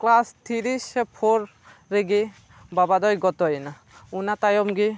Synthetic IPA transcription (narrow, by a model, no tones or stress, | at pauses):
klast̪ʰiɾispʰoɾ | ɾeɡi | babad̪ɔjɡɔt̪ɔjna | unat̪ajɔmɡi